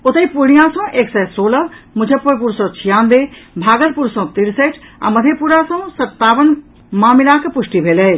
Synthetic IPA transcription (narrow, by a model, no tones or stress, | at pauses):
ʊt̪əipuɽ̃ijãsɔ̃ʔeːksɛsoːləmʊd͡ʒʱəpːəɾp̬uːɾsɔ̃t͡ʃʰijãːnd̪ebʱaːɡəɾpuːɾsɔ̃t̪iɾseːʈʰã̰ːməd̪ʱepuɾasɔ̃sɐt̪ːaːʋən | mãːmɪlaːkepʊʂʈibʱeːlɛj